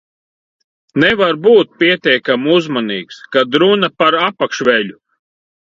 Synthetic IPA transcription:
nɛvaɾbuːt̪̚pʲiɛt̪ʲɛjkamuzmɔniːkskad̪ɾunɐpaɾapakʃvʲɛʎʲu

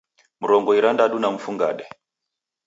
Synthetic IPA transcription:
muɾɔŋɡɔiɾandaɗunam̩fuŋɡa̰ɗɛ

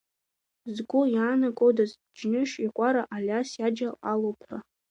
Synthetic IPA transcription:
zɡʷʊjaːnakʷʼodazbd͡ʒnɨʃiqʷʼaɾaʔalʲasjad͡ʒaalowpʰra

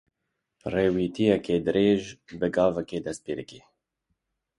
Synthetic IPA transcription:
reːwiːt̪ijɛkeːd̪ɨɾeːʒbɨɡɑːvɛkeːd̪ɛspeːɾɨ̰keː

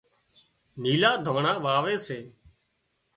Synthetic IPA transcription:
niːlaːd̪ʱoːɳãːʋaːʋeːseː

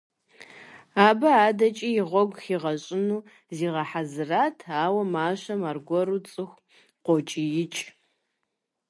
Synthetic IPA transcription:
aːbɐaːdɐt͡ʃʼijɪʁʷɔɡʷxiːʁɐɕʼɪnuː | ziːʁɐħazɨraːtʰaːwɐmaːɕɐmarɡʷɔɾut͡sʼɨxʷ | qʷɔt͡ʃʼijɪt͡ʃʼ

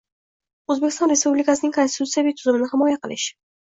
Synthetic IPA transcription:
ɵzbekʲɪ̥st̪ɒnɾe̞spublɪkasɪnɪŋkʰonst̪ɪt̪ʰut̪sijabit̪ʰʊzʊmɪnɪɦɪmɒjaqɨlɪʃ

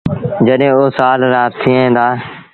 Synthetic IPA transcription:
d͡ʒəɗɦẽːoːsaːlɾaːt̪ʰːiːẽːd̪aː

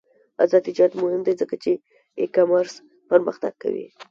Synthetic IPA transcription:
a̰zɑd̪ɪd͡ʒɑd̪mʊhɪmd̪ezəkat͡ʃe | ekamaɾs | pəɾməxt̪a̰ɡ̥̚ka̰wḭ

